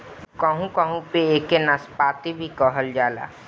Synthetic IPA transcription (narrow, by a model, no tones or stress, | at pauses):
kəɦũkəɦũpeeːkenəspaːt̪ibʱikɔɦəld͡ʒaːla̰ː